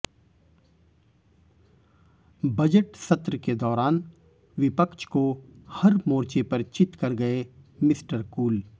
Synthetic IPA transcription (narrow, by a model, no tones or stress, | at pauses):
bɐd͡ʒəʈsɐt̪ɾəked̪ɔːɾaːn | ʋɪpəkʃʰkohɐɾmoːɾt͡ʃepɐɾt͡ʃɪt̪kɐɾɡɐemɪsʈəɾkuːl